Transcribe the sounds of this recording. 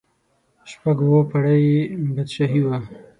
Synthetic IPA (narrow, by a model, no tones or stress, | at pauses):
ʃpaɡwopʰɐɽajbad̪ʃaɦiwa